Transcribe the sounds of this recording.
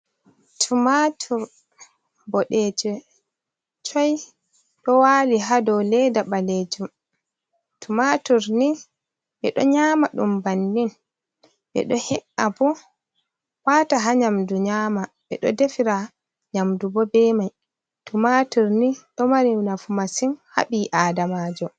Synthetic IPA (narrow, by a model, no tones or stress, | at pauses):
tʰumatʰuɾ | bɔɗɛd͡ʒɛ | t͡ʃɔj | ɗɔwaːliɦadɔwlɛdaɓaled͡ʒum | tumatuɾni | ɓɛɗɔ̰ɲamaɗṵmbanːin | ɓɛ̰ɗɔhɛʔabɔ | waːtaɦaɲamduɲaːmaɓɛ̰ɗɔ̰defiɾa | ɲamdubɔbɛmaj | tumatuɾniɗɔmaɾinafumasinha̰ɓiʔaːdamaːd͡ʒɔ